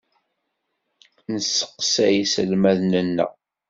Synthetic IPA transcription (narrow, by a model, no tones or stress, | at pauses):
nəsːə̥qːsæjisəlmæðnənːə̰ʁ